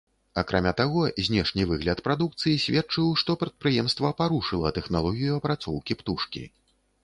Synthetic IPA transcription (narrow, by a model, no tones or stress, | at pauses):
akɾʔamʲat̪aɣɔzʲnʲɛʂnʲivɨɣlʲɐt̪pɾad̪ukt̪sɨjisʲvʲɛt͡ʂɨwʂt̪ɔpɾɐt̪̚pɾɨjɛmst̪vɐpaɾuʂɨlˠɐt̪ɛxnalˠɔɣʲijuɐpɾat̪sɔwkʲipt̪uʂkʲḭ